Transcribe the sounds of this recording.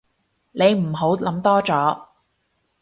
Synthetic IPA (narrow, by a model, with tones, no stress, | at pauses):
ne˨˧jm̩˨˩ɦo˨˥wlɐ˨˥mt̪ɔː˥t͡sɔː˨˥